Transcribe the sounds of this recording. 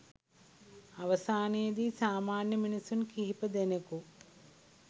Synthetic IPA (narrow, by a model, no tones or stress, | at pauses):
ɐʋɐsaːnijɐd̪iːsaːmaːnjɐminisunkiɦipɐd̪enɐku